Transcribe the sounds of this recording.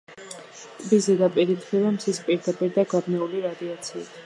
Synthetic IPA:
t̪ʼbizɛd̪apʼiɾit̪ʰχivamsʰispʼiɾd̪apʼiɾd̪aɡabnɛuliɾad̪iat̪sʰḭːt̪ʰ

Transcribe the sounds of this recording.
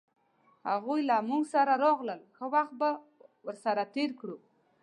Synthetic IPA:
haɣujlamuŋɡsaɾaɾɑɣləlxəwaxt̪̚ba | wəɾsaɾat̪eɾkɽu

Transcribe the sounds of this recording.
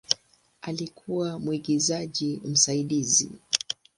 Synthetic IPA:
alikʰuwamwiɡizaʄim̩saiɗizḭ

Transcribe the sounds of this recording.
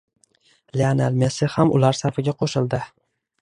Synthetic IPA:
leanalmesɪhamʊ̰laɾsaɾfɪɡʲaqʰoʃɪlˠd̪ɪ

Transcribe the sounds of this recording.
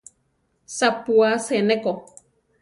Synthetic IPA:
sapuaseneko

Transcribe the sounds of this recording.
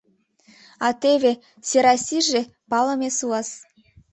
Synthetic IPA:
ɑt̪eβe | seɾɑsʲiʒe | pɑlə̆mesuɑs

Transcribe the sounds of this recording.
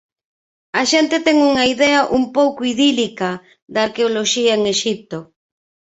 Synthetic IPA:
ɐʃent̪et̪ɛŋuŋɐiðɛɐʔumpowkʊiðilika | d̪aːɾkeoloʃiɐeŋeʃip̚t̪o

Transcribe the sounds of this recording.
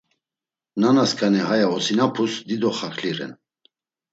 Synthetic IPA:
nanaskʼanɛhajaɔsinapʰusd̪id̪ɔχakʰliɾɛ̰n

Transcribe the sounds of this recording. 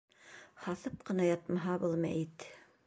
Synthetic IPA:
hɑθɤp̚qɤ̆nɑjɑt̪mɑɦɑbɤlˠmæ̰it̪

